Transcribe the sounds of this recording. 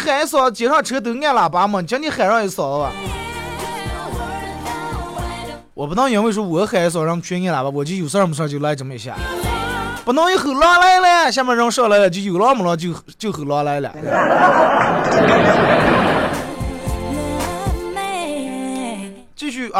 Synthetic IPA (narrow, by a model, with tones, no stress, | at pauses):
xa˨˩˥s̬wɔ˨˩t͡ɕjɛ˧˥ʂɑ˥˩ʈ͡ʂʰɤ˧˥t̪ɤ˧˥ŋɛ˥˩la˨˩pa˧˥mə˧˨t͡ɕʰɑ˥ni˧˥xa˨˩nɻɑ˥˩˧i˧˥sɑ˨˩˦la˨˧ | wɔ˨˩pt̪ɑ˥ŋjɥɛ˧˥nwe˥˩ʂ̬wɔ˥wɔ˨˩˥xa˨˩˥swɔ˨˩ɻɑ˥˩ŋ˨t͡ɕʰɥɛ˥ŋɛ˥˩la˨˩ba˧˩wɔ˨˩t͡ɕo˥˩˧jo˨˩s̬m̩˧˩ʂʰɔ˥˧t͡ɕjo˥˩la˧˥˧ʈ͡ʂə˧˥˩mə˧˩i˨˩ɕ̬ja̰˥˧˩ | pu˧˩nɑ˥˧ŋjo˥˧˩xɤ˨˩lɔ˥˧la˥ɪla˧ja˨ɕ̬jmɛ˥˧˥ɻɑ˥˧ŋʂɤ˥˧la˥ɪlə˨˧˩t͡ɕ̬o˥˩˧jo˨˩lɔ˥˧mə˨lɔ˧˥t͡ɕjo˥˩ʊx | t͡ɕjo˥˩ʊxɤ˨˩lɔ˧la˧˥ɪ˧lə̰˨˩t̪ | t͡ɕi˥˧ɕy˥˩˧